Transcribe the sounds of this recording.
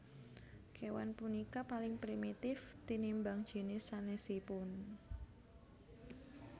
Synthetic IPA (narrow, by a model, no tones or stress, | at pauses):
kʰewa̰npunikapalɪŋpɾimit̪ɪft̪inimbaŋd̥ʒ̥e̤nɪsanesipʊn